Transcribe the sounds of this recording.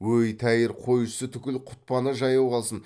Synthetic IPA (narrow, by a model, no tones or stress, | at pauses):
wɵjt̪ʰæjɪɾqʰo̞jsət̪ʰʏkʲɪlqʰʊ̥t̪̚pɑnəʒɑjɑwʁɑlˠsən